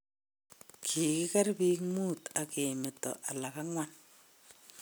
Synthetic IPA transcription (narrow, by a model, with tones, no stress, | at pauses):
kʰi˨kɪ˦ka˦rpi˦kmuː˦ta˨ke˨mɪ˨tɔ̰˨ʔa˨la˨ka˦ŋwa˦n